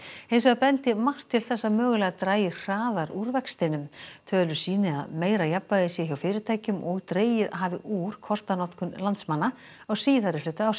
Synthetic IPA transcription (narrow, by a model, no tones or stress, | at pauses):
hejns̬ɛɣapɛnt̪ɪmar̥t̪ʰːɪlθɛsːaðmœːɣʏlɛɣat̪ɾaːjɪr̥aːðaɾuɾvɛkst̪ɪnʏmt̪ʰœːlʏɾsiːnɪa̰ðmeːjɾajapːaðɪsjɛçjawfɪːɾɪɾt̪ʰaːjcʏmʔɔɣt̪ɾeːjɪðɦaːvɪʔuɾ̥kʰɔr̥t̪anɔt̪kʏnlant̪smanːa | awsiːðaɾɪflʏːt̪ʏaws